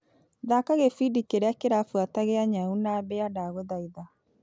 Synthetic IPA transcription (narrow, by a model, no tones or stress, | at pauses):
ðakaɣefidikeɾeakeɾafwataɣeaɲaunabɛadaɣoðaiða